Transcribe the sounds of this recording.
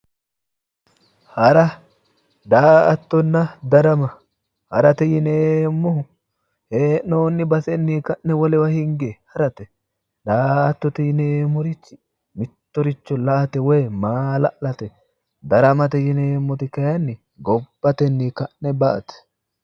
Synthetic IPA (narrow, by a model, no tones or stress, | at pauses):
hɐɾɐ | d̪aːɐt̪ːɔnːɐd̪ɐɾɐmɐ | hɐɾɐt̪ɛjɪneːmːɔhʊ | heːnoːnːɪbɐsɛnːiːkɐʔːɛwɔlɛwɐhɪŋɡehɐɾɐt̪ɛ | d̪aːɐt̪ːɔt̪ɪjɪneːmːɔɾɪt͡ʃːɪ̥ | mɪt̪ːɔɾɪt͡ʃːɔlɐʔɐt̪ɛwɔjmaːlɐʔlɐt̪ɛ | d̪ɐɾɐmɐt̪ɛjɪneːmːɔt̪ɪkɐjɐnːɪ | ɡɔb̥ːɐt̪ɛnːiːkɐnːɛbɐʔɐt̪ɛ̥